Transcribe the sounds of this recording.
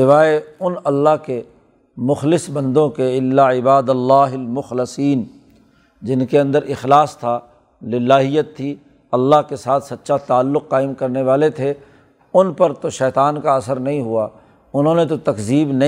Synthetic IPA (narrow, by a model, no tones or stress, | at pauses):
ɪʋaːeʊnɐlːaɦke | mʊxlɪsbɐ̃nd̪õkeɪlːaɪbaːd̪əlːaːɦɪlmʊxlɪsiːn | d͡ʒɪnkeɐ̃nd̪əɾʔɪxlaːst̪ʰa | lɪlːaːɦɪjət̪ʰːi | ɐlːaɦkesaːt̪ʰsɐt̪ːʃʰat̪aːlːʊqːaːɪmkɐɾneʋaːlet̪ʰe | ʊnpɐɾt̪oʃɛːt̪aːnkaɐsəɾnɐɦĩɦuaː | ʊnɦõːnet̪ot̪ɐkziːbnɐ